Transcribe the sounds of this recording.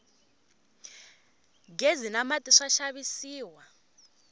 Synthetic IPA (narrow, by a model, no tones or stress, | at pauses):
ɡezinamatʼiʂaʃaβisiːwa